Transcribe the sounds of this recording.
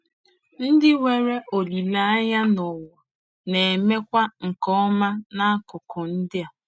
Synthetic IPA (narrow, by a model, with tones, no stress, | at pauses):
n̩˦dɪ˦we˨ɾe˦ʔo˨li˨la˦a˦ɲa˦nɔ˨wɔ˨ | ne˨e˨me˦kʷa˦ŋ̩˨kɔ˦ma˦na˦a˦kʊ˨kʰɔ˨n̩˦dɪ˦a˨